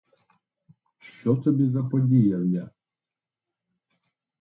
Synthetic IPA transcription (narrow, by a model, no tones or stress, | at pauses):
ʃt͡ʃɔt̪ɔbʲizɐpɔdʲijɐwjʲa